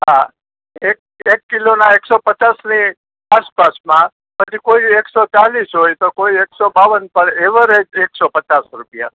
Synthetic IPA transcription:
ɦa | ek̚ | ekːilonaeksopət͡ʃasni | aspasmã | pəd͡ʒʰikoieksot͡ʃalisɦojt̪okoieksobaʋənpəɳeʋəɾed͡ʒeksopət͡ʃasɾupija̰

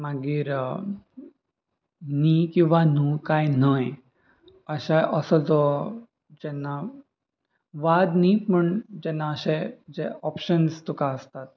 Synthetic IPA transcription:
maɡiːɾ | nikĩw̃ʋanukajnaj | əɕaʔəsət͡sɔ | d͡ʑɛnːa | ʋad̪niməɳd͡ʑɛnːaəɕed͡ʑeɔpɕənst̪ukaəst̪at̪̚

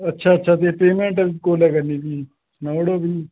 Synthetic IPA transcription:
ɐtːt͡ʃʰaɐtːt͡ʃʰat̪epeːmeɳʈɐʋikoːlɐɡɐnːid̪i | nɐwɽoːbi

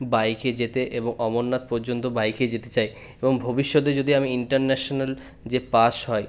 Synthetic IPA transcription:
bajked͡ʑet̪eʔeboŋɔmonːat̪̚pɔɾd͡ʑont̪obajked͡ʑet̪et͡ɕaj | eboŋbʱobiʃːod̪ed͡ʑod̪ʱiamiiɳʈaɾnɛʃonal | d͡ʑepaʃɦɔe

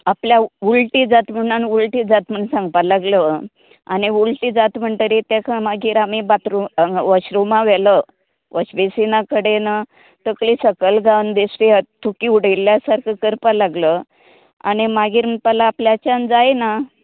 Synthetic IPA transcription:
apljaulʈid͡zat̪m̤əɳanulʈid͡zat̪məɳsãŋɡ̚palaɡlə | a̰ñiulʈid͡zat̪m̤əɳt̪əɾit̪akʰamaɡiːɾamibat̪ɾuʋəɕɾumãʋɛlə | ʋʔəɕbesinakəɽena | t̪əklisəkəlɡãwnd̪estiət̪ʰːukiuɽilːjasaɾkʰəkəɾpalaɡlə | a̰ɽ̃imaɡiːɾɳpalaːpljat͡ɕãnd͡zajna

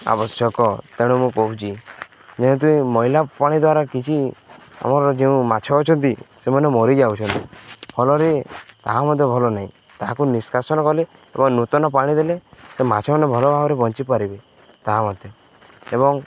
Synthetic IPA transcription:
a̰bɔsjɔkɔt̪eɽ̃umũkɔɦut͡ʃʰi | d͡ʒeũt̪̬uĩmɔɦilapaɽ̃id̪waɾakit͡ʃʰia̰mɔɾɔd͡ʒeũmat͡ʃʰɔːt͡ʃʰɔnt̪isemɔnemɔɾid͡ʒawt͡ʃʰɔnt̪ibʱɔlɔɾet̪aɦamɔd̪ʱjɔbʱɔlɔnaɦĩ | t̪aɦakuniskʰasɔnɔkɔle | ebɔŋnut̪ɔnɔpaɽ̃id̪elesemat͡ʃʰɔmanebʱɔlɔbʱabɔɾebɔnt͡ʃipaɾibe | t̪aɦamɔd̪ʱjɔ | ebɔŋ

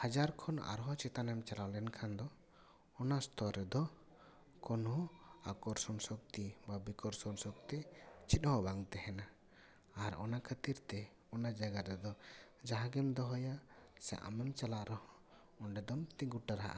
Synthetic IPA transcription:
had͡ʒaɾkʰɔna̰ɾɦɔt͡ʃɛt̪anɛmt͡ʃalawlɛnkʰand̪ɔ | ɔnast̪ʰɔɾɛd̪ɔ | kɔnhɔakɔɾsɔnsɔk̚t̪ibabikɔɾsɔnsɔk̚t̪ɛt͡ʃʰit̪̚hɔbaŋt̪ɛhɛnaː | ɾɔ̰nakʰət̪iɾt̪ɛ | ɔnad͡ʒaɡaɾɛd̪ɔ | d͡ʒaɦaɡɛmd̪ɔɦɔjasɛ̰ʔa̰mɛmt͡ʃalaʔɾɔhɔ | ɔnɖɛd̪ɔmt̪ĩŋɡuʈaɾɦaʔa̰

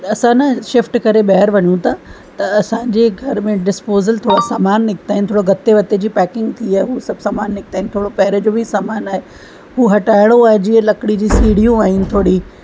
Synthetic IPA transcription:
ɐsãnɐʃɪfʈkɐɾeɓɐɦəɾʋɐɲũt̪ʰa | t̪ɐɐsãːɲd͡ʑeɡʱɐɾmẽɖɪspoːzəlt̪ʰoːɽasaːmaːnːɪkʰt̪aːɦɪnɪt̪ʰoːɽoɡʱɐt̪ːeʋɐt̪ed͡ʑiːpɛːkɪ̃ŋɡt̪ʰiaːɦeɦusɐbʱsaːmaːnːɪk̚ʰt̪aːɦɪn̆t̪ʰoːɽopɐɦɾed͡ʑobʱisaːmaːnaːɦe | ɦuːɦɐʈaːɪɽoaːɦed͡ʑĩːlɐkɽid͡ʑiːsiːɽ̤ijũaːɦɪnɪ̆t̪ʰoːɽi

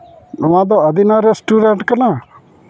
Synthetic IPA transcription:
ʊãd̪ɔəd̪inaɾɛsʈuːɖɛɳʈkəna

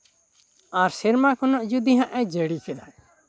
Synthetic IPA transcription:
aɾsɛɾmakʰɔnɔʔd͡ʒud̪iɦãʔɛd͡ʒeɽikʰɛla

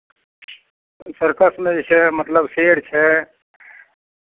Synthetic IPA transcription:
səɾkəsmẽt͡ʃʰɛmət̪ləbseːɽt͡ʃʰɛ

